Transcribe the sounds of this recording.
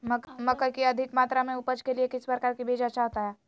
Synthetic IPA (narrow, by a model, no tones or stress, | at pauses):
məkmɐkəkiɐd̪ʱɪkmaːt̪ɾamẽʊpəd͡ʒkeliekɪspɾəkaːɾkibʱeːd͡ʒətːt͡ʃʰaɦoːt̪aɦɛː